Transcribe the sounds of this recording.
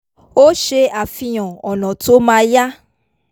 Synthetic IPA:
wo˦ʃe˧˦a˨fi˨j̃ɔ̃˨ɔ˨nɔ̃˨to˨˦mã˧ja˦

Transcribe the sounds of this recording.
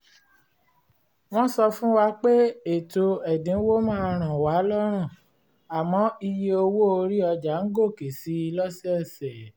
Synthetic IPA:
w̃ɔ̃˦sɔ˧fũ˦wa˧k͡pe˦e˨to˧ɛ˨dĩ˨˦wo˦mãː˦˧ɾ̃ã˨wa˨˦lɔ˦ɾ̃ã˦˨ | a˨mɔ̃˨˦i˧je˧˦o˧wo˦o˧ɾi˦ɔ˧d͡ʒa˨˦ŋ̩˦ɡo˦˨ke˨si˨˦i˧lɔ˦sɛ˦ɛ˦˨sɛ˨

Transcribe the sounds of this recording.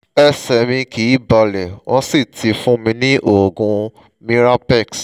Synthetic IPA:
ɛ˧sɛ˨mĩ˧ki˨˦ba˧˨lɛ˨wɔ̃˧si˦˨tʰi˨˧˦fũ˦mĩ˧nĩ˦ʔo˦˨ɡũ˧ | mĩ˦ɾa˦pɛ˦˨ks

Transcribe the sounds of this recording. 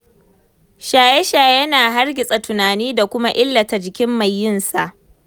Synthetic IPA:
ʃaː˨jɛ˦ʃaː˨jɐ˦naː˨ɦa˦rɡʲɪ˨sʼa˨tʊ˨naː˨niː˦da˨kʷʊ˦ma˦ʔɪ˦lːɐ˨ta˨d͡ʒɪ˨kʲɪ˦mːa˨jːɪ˦˨nsa˨ʔ

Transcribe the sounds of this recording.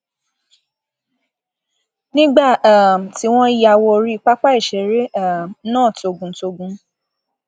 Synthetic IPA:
nĩ˦ɡ͡ba˦˨a˨m˨ti˦w̃ɔ̃˦ja˧˨wɔ˧ɾi˦k͡pa˦k͡pa˦i˦˨ʃɛ˨ɾe˨˦a˦˨m˦nãː˦˨to˧ɡũ˨˦to˧ɡũ˧

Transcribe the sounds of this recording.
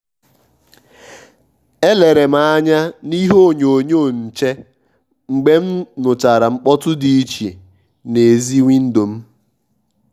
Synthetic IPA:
e˦le˨ɾe˨m̩˦a˦˨a˦ɲa˦ni˦ɦo˦˨ɲo˨ɲo˦˨n̩˨t͡ʃe˦ | ŋ͡m̩˨ɡ͡be˦m̩˦nʊ˨t͡ʃa˨ɾa˨ŋ͡m̩˦k͡pɔ˦tʊ˦di˨i˦t͡ʃi˨ | ne˨zi˦ŋʷi˦n̩˦do˨m̩˦

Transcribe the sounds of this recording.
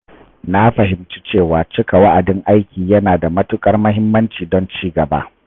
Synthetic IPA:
na˦ɸɐ˨ɦɪ˨mt͡ʃi˦t͡ʃeː˦˨waː˨t͡ʃɪ˦ka˨wa˦ʔa˨dɪ˦ŋʔa˦jkʲiː˨jɐ˦naː˨da˨mɐ˦tʊ˦kʼɐ˦rmɐ˦ɦɪ˦mːɐ˦nt͡ʃiː˨dɔ˦nt͡ʃiː˦ɡɐ˨ba̰˦ʔ

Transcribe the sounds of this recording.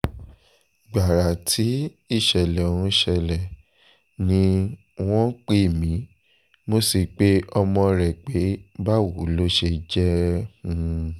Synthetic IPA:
ɡ͡ba˨ɾa˨tʰi˨˦ | i˦˨ʃɛ˨lɛ˨o˨wũ˧ʃɛ˧lɛ˨ | nĩ˧ | w̃ɔ̃˦k͡pe˦˨mĩ˨˦ | mo˦si˨k͡pe˦ɔ˧mɔ̃˧ɾɛ˨k͡pe˨˦ba˦wo˨˦lo˦ʃe˧d͡ʒɛ˦hũ˦˧

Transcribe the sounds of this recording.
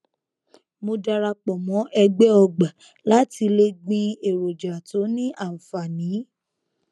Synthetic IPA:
mo˧da˧ɾa˧k͡pɔ˨mɔ̃˨˦ʔɛ˧ɡ͡bɛ˦ɔ˧ɡ͡ba˨ | la˦ti˧le˧ɡ͡bĩ˧e˨ɾo˨d͡ʒa˨tʰo˨˦nĩ˦ʔa˦˨fa˨nĩ˨˦

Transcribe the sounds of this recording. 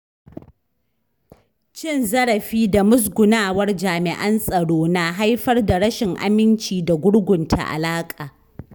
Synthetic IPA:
t͡ʃɪ˦˨nzɐ˦ɽɐ˨ɸiː˦da˨mʊ˦s̬ɡʷʊ˨naː˦wɐ˦rd͡ʒaː˨mɪ˨ʔɐ˦nsʼɐ˨ɽoː˦na˨ɦa˦jɸɐ˦rda˨ɽɐ˦ʃɪ˨ŋʔa̰˨mɪ˦nt͡ʃiː˨da˨ɡʷʊ˦ɽɡʷʊ˨ntʰa̰˨ʔa̰˨laː˦kʼaː˨

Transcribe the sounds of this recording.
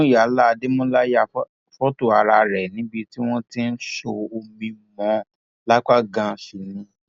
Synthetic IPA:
ja˨˦la˦˧de˦mɔ̃˦la˦ja˦˨˦ | fɔ˦to˦˨a˨ɾa˧ɾɛ˨nĩ˨˦bi˧ti˦w̃ɔ̃˦ti˦n̩˦ʃo˧o˧mĩ˧˨mã˨˦ | la˦k͡pa˦ɡã˧˨fi˨nĩ˧˦

